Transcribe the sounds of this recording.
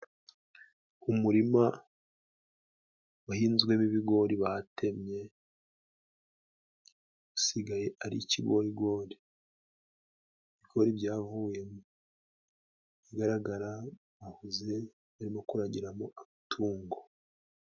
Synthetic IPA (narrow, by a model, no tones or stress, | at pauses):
umuɾima | wahiːnzɡwe̞miβiɡo̞ːɾiβaatʰe̞mɲe̞ | usiɡaje̞aɾḭciɡo̞ɾiɡo̞ːɾi | βiɡo̞ɾibɟaːvuje̞mu | iɡaɾaɡaɾa | βahuze̞ | βaɾimo̞kuɾaɟiɾamoʔamatʰuːŋɡo